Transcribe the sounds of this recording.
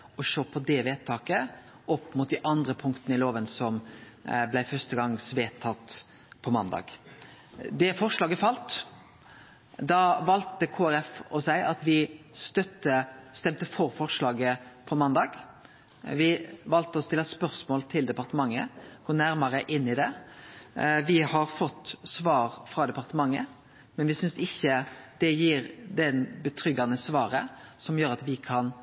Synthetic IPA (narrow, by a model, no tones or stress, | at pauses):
ɔʂoːpʰɔd̪ɛʋeːtt̪ʰːɑːkə | ɔpːmut̪̚d̪æʔɑnd̪ʁəpʰʊŋkt̪ənəɪloːʋənsɔm | blæɪfœʁst̪əɡɑŋsʋeːt̪ʰːɑt̪ | pʰɔmɑnd̪ɑ̰ːɡ | d̪ɛfɔʁʂlɑːɡəfɑlt̪ | d̪ɑʋɑlt̪əkʰoːæɾɛfɔsæɪʔɑt̪ʋɪst̪œt̪ːəst̪ɛmt̪əfɔɾfɔʁʂlɑːɡəpʰɔmɑnd̪ɑːɡ | ʋɪʋɑlt̪əɔst̪ɪlːɑspœɾsmoːlt̪ʰɪld̪ɛpɑɾt̪əmɑŋːə̰ɡ̥oːnæɾmɑɾəʔɪnːɪd̪ɛ | ʋɪhɑɾfɔt̪ːsʋɑːɾfɾɑːd̪ɛpɑɾt̪əmɑŋːə | mɛnʋɪsʏnsɪçəd̪̥ɛjiːɾd̪ɛnbət̪ʰɾʏɡɑnəsʋɑːɾəsɔmjøːɾɑt̪ʋɪkʰɑn